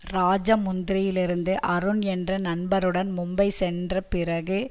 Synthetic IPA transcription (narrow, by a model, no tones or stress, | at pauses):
ɾaːd͡ʒɐmʊnd̪ɪɾɪjɪlɪɾɯnd̪ɯʔɐɾɯnɛndrɐnɐnbɐɾɯɽɐnmʊmbɐɪsɛndrɐpɪɾɐɣɯ